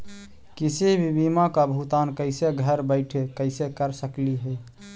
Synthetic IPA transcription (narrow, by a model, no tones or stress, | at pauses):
kisibʱibimakabʱut̪ankəɪseɡʱəɾbəɪʈʰekəɪsekəɾsəkliɦɛ